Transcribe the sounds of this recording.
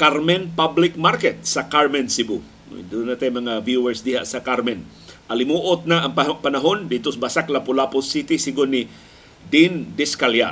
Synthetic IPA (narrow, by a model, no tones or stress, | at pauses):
kaɾmɛnpablɪk̚maɾkɛt̪̚sɐkaɹmɛnsɪbu | d̪unat̪ajmɐŋavjuwɛɹsd̪ɪha̰ʔsɐkaɾmɛn | ʔɐlɪmuʔot̪̚naʔːŋpɐnaɦond̪it̪osbasaklapʊlapʊsit̪isɪɡʊnːɪ | d̪ind̪ɪskalja̰